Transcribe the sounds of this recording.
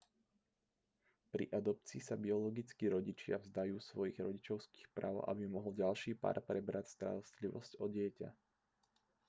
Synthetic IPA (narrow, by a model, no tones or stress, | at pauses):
pɾḭʔad̪ɔp̚t͡siːsabiɔlɔɡit͡skiɾɔɟit͡ʃɪa̰vzd̪ajuːsʋɔjiɣɾɔɟit͡ʃɔʊski̥ːxpɾa̰ːʊʔa̰bimɔɦɔlɟalʃiːpa̰ːɾpɾɛbɾacst̪a̰ɾɔst̪liʋɔ̰scɔɟɪɛca̰